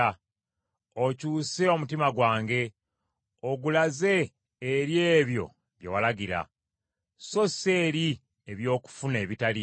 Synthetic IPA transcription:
a | ocuːse̞o̞mutimaɡwaːŋɡe̞ | oɡulaze̞ː | ɾjeːβjo̞̰ | βjewalaɡiɾa̰ | so̞se̞ːɾi | eβjo̞ːku̥fune̞ːβitali

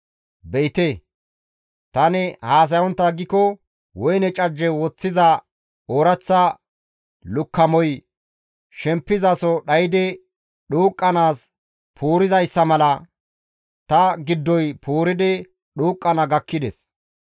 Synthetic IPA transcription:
bɛjt̪e | t̪ɐnɛhaːs̬ɐjɔnt̪ːɐɡɪkɔ | wɔjnɛt͡ʃʼɐd͡ʒːɛwɔt͡sːɪzɐ | oːɾɐt͡sːɐ | lʊkʰːɐmɔj | ʃɛmpːɪzɐsɔɗɐjɪd̪ɛ | ɗuːkʼːɐnaːs | pʰuːɾɪzɐjsːɐmɐlɐ | t̪ɐɡɪd̪ːɔjpʰuːɾɪd̪ɛ | ɗuːkʼːɐnɐɡɐkːɪd̪ɛs

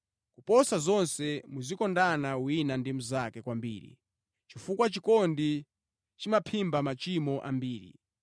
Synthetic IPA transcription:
kupɔsazɔnsɛmuzikɔndanawinandimuzakɛkwambḭːɾḭ | t͡ʃifukwat͡ʃikɔndi | t͡ʃimapʰimbamat͡ʃimɔʔambiːɾḭ

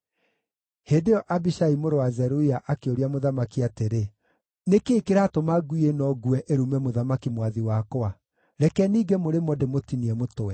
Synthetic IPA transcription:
heːdeɔʔabiʃaimoɾowazɛɾuiaʔakeoɾiamoðamakiateɾe | nekeːkeɾatomaɡuienɔɡuɛʔeɾumɛmoðamakimwaðiwakoa | ɾɛkɛniːɡemoɾemɔdemotiniɛmotowɛ

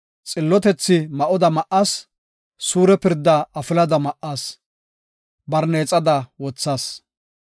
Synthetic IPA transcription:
t͡sʼɪlːɔt̪ɛt͡sːɪmɐʔɔd̪ɐmɐʔasː | uːɾɛpɪɾd̪ːɐɐfɪlɐd̪ɐmɐʔːaːs | bɐɾneːt͡sʼɐd̪ɐwɔt͡sːaːs

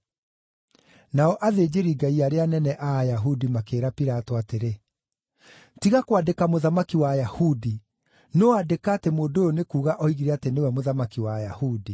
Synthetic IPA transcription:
naɔʔaðeːd͡ʑeɾiɡaiaɾeanɛnɛʔajaɦudimakeːɾapiɾatɔateɾe | tiɣakwadekamoðamakiwajahudi | noadekaːtemoːndojɔnekuːɣaʔɔiɣiɾɛatenewɛmoðamakiwaja̰hudi

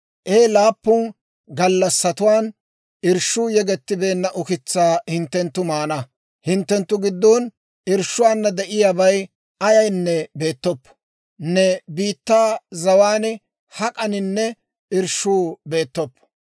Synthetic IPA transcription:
ʔeːlaːpːʊn | ɡɐlːɐsːɐt̪ʊwaːn | ɪɾʃuːjɛɡɛt̪ːɪbe̞ːnːɐʔʊkɪt͡sːaːhɪnt̪ːɛnt̪ːʊmaːnɐ | hɪnt̪ːɛnt̪ːʊɡɪd̪ːɔːn | ɪɾʃːʊwaːnːɐd̪ɛʔɪjaːbɐj | ʔɐjɐjnːɛbe̞ːt̪ːɔpː | nːɛbiːt̪ːaːzɐwaːn | hɐkʼɐnɪnːɛ | ɪɾʃːuːbe̞ːt̪ːɔpː

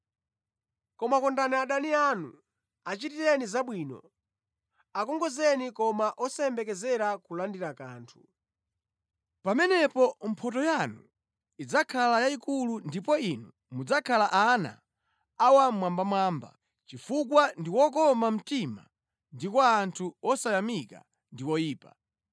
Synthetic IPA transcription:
kɔmakɔndaniaɗanianṵ | at͡ʃitiɾɛnizaɓwiːnɔ̰ | akɔŋɡɔzɛnikɔmaʔɔsɛɛmbɛkɛzɛɾakulandiɾakaːntʰu̥ | pamɛnɛpɔm̩pʰɔtɔjanu | id͡zakʰalajaikulundipɔinu | mud͡zakʰalaʔana̰ː | wamwambamwaːmba̰ | t͡ʃifukwandiwɔk̬ɔmam̩tima̰ | ndikwaːntʰuɔsajamika̰ | ndiwɔjiːpa̰

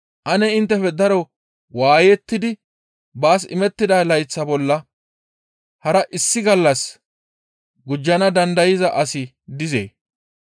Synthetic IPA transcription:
ʔɐnɛɪnt̪ːɛfɛd̪ɐɾɔ | waːjɛt̪ːɪd̪ɪ | baːs̬ɪ̰mɛt̪ːɪd̪ɐlɐjt͡sːɐbɔlːɐ | hɐɾɐʔɪsːɪɡɐlːɐs | ɡʊd͡ʒːɐnɐd̪ɐnd̪ɐjɪzɐʔɐsɪ | d̪ɪzḛː

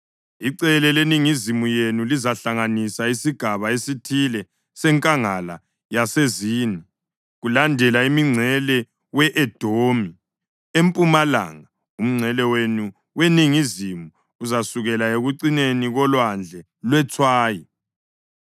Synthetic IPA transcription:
iǀɛlɛleniŋizimujenulizaɬaŋanisaisiɡ̥ʱaβaesitʰilɛ | sɛŋkʼaŋala̰ | jaseziːni | ɣulandʱɛlaimiŋ͡ǀʱɛlɛ | wɛʔɛd̥ʱomi | empʼumala̰ŋa | um̩ŋ͡ǀʱɛlɛwenu | weniŋizimuː | zasuɣɛlaeɣuǀineniɣɔlwand͡ɮʱɛ | lwɛt͡sʰwaːji

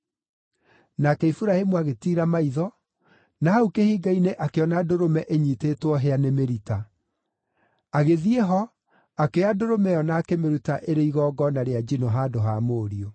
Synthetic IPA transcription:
nakɛifuɾahemuaɣetiːɾamaiðɔ | nahaukehiːɡaineʔakeɔnadoɾomɛʔeɲiːtetwɔɦeanemeɾita | aɣeðieɦɔ | akeadoɾomɛjɔnaːkemeɾutaʔeɾeiɣɔːɡɔnaɾead͡ʒinɔɦaːdoɦamoːɾio

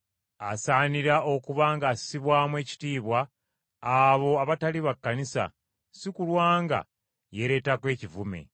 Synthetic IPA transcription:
asaːniɾao̞kuβaːŋɡaːsi̥siβwaːmwe̞ːci̥tiːβwaː | βo̞aβataliβakːanisa̰ | sikulwaːŋɡa̰ | je̞ɾe̞takwe̞ːcivume̞̰

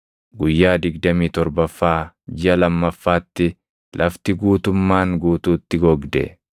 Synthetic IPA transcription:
ɡʊjːaːd̪ɪɡd̪ɐmiːt̪ɔɾbɐfːaː | d͡ʒɪɐlɐmːɐfːaːt̪ːɪ | lʔɐft̪ɪɡuːt̪ʊmːaːŋɡuːt̪uːt̪ːɪɡɔɡd̪ɛ̰

